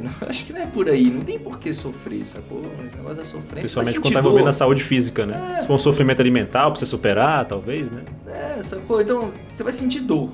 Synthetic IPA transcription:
nɐ̃a̰ʃʊ̥kɪnɐ̃ɛpoɾainɐ̃t̪ẽj̃poɾkesofɾḛsako̰snḛɡɔsʊd̪ɐsofɾẽpesiawmẽt͡ʃkõt̪ãĩvowvẽd̪ɐsaud͡ʒɪfizikɐnɛsɪ̥foɾũsofɾimẽnt̪alimẽnt̪awpo̥sesupeɾat̪awvejsnɛɛɛsakozẽt̪ɐ̃w̃ | sevajsẽt͡ʃid̪o

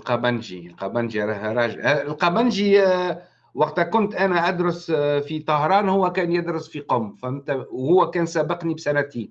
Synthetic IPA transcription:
lqɑbænʒḭlqɑbænʒiɾˤɑhɾˤɑʒlqɑbænʒi | wɑqt̪kʊnt̪ʔænæʔæd̪ɾɑsfit̪ˤɑhɾˤɑːnhʊwːækæːnjəd̪ɾˤəsfiqomːfæmt̪æwhʊwːækæːnsæbəqnibsænæt̪i

